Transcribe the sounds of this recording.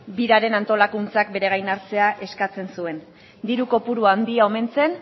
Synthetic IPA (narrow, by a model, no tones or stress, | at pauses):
biɾaɾe̞nant̪o̞lakunt͡sak̚be̞ɾe̞ɣajnaɾt͡se̞aʔe̞skat͡se̞nsue̞n | d̪iɾuko̞puɾuand̪iao̞me̞nt͡se̞n